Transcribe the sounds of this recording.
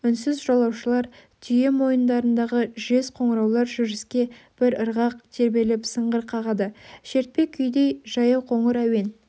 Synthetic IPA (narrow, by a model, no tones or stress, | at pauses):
ʏnsɪzʒolˠɑwʃəlˠɑɾ | t̪ʰʏje̞mo̞jənd̪ɑɾənd̪ɑʁəʒe̞sqʰo̞ɴɾɑwlˠɑɾʒʏɾɪskʲe̞b̥ɪɾəɾʁɑq̚t̪ʰe̞ɾbe̞lɪpsəɴʁəɾqʰɑʁɑd̪əʃe̞ɾt̪̚pe̞kʲʰːʏjd̪e̞jʒɑjɑwqʰo̞ɴəɾæwe̞n